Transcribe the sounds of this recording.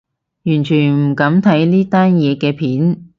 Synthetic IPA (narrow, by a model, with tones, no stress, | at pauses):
jyː˨˩nt͡ʃʰyː˨˩nm̩˨˩kɐ˨˥mt̪ʰɐ˨˥jniː˥t̪aː˥njɛː˨˧kɛː˧pʰiː˨˥n